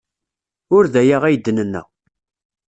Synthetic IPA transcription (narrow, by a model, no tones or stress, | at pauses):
ʊɾðæjaʁæjd̪ːənənːæ̰